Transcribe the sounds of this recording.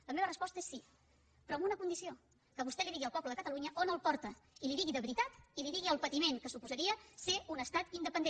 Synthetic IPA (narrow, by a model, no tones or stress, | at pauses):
ləmeβərəspɔst̪əesːi | pɾɔəmunəkund̪isio | kəβust̪ɛliðiɣiəlˠpɔbləðəkət̪əluɲəʔonəlˠpɔɾt̪əiliðiɣiðəβɾit̪at̪iliðiɣiəlˠpət̪imeŋkəsupuzəɾiəseunəst̪at̪ind̪əpənd̪e